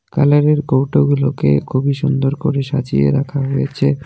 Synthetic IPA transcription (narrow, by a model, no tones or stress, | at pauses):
kalaɾeɾkowʈoɡulokḛkʰobiʃund̪oɾkoɾeʃat͡ɕiḛɾakʰaɦojet͡ɕʰe